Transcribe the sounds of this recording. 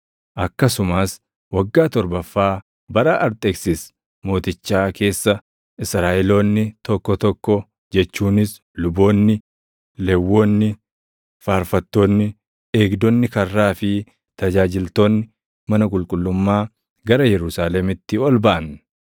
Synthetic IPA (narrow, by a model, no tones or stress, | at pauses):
ʔɐkːɐsʊmaːs | wɐɡːaːt̪ɔɾbɐfːaː | bɐɾɐʔɐɾt̪ʼɛksɪs | mo̞ːt̪ɪt͡ʃːaːke̞ːsːɐ | ɪsɾaːʔɛlo̞ːnːɪt̪ɔkːɔt̪ɔkːɔ | d͡ʒɛt͡ʃːuːnɪs | lʊbo̞ːnːɪ | lɛwːo̞ːnːɪ | faːɾfɐt̪ːoːnːɪ | e̞ːɡd̪ɔnːɪkɐrːaːfɪ | t̪ɐd͡ʒaːd͡ʒɪlt̪oːnːɪ | mɐnɐkʼʊlkʼʊlːʊmːaː | ɡɐɾɐjɛɾʊsaːlɛmɪt̪ːɪɔlbɐʔɐn